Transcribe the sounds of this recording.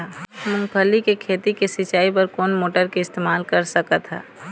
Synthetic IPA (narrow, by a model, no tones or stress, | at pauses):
mʊ̃ŋkʰəlikekʰeːt̪ikesɪt͡ʃaːip̬ɐɾkoːnmoːʈəɾkeɪst̪eːmaːlkɐɾsəkət̪ɦɛ̰ː